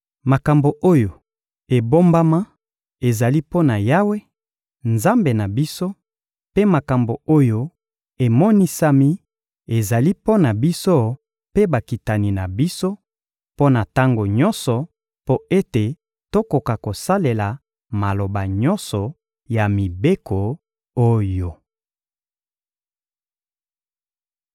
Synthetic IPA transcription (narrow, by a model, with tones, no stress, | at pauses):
ma˨ka˨mbo˨ʔo˦jo˨ | e˨bo˦mba˦ma˦ | e˨za˨li˦po˦na˨ja˦we˦ | nza˦mbe˨na˨bi˦so˦ | pe˦ma˨ka˨mbo˨o˦jo˦ | e˨mɔ˦ni˦sa˦mi˦ | e˨za˨li˦po˦na˨bi˦so˦ | pe˦ba˨ki˨ta˨ni˨na˨bi˦so˦ | po˦na˨ta˦ŋɡo˨ɲɔ˦nsɔ˨ | po˦e˦te˨ | to˦ko˨ka˨ko˨sa˦le˨la˨ | ma˨lo˨ba˨ɲɔ˦nsɔ˨ | ja˨mi˨be˦kʰo˨ | o˦jo˨